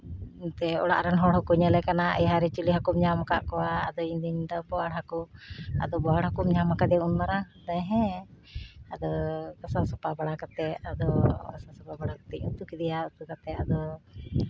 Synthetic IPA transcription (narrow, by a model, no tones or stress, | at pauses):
t̪ɛɔɽa̰ʔɾanɦɔɽɦɔkuɲɛlɛkanaajɦaɾɛt͡ʃiliɦakumɲamakaʔkɔwaːd̪ɔind̪iɲd̪ɔbɔaɽɦakua̰d̪ɔbɔaɽhakumɲamakad̪ɛunmaɾad̪aɦɛ̃ | ad̪ɔɡasasɔpabaɽakat̪ɛad̪ɔɡasasɔpabaɽakḁt̪ɛcut̪ukid̪ijaut̪ukat̪ɛad̪ɔ